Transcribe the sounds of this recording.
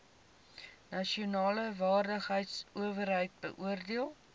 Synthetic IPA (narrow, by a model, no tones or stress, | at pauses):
nɐʃiunɑːləvɑːrdəχɦəjtsuəvərɦəjt̚bə̰ʔuərdiəlˠ